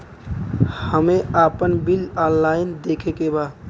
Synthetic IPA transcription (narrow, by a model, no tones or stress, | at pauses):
həmeapənbilɔnlaɪnd̪ekʰekeba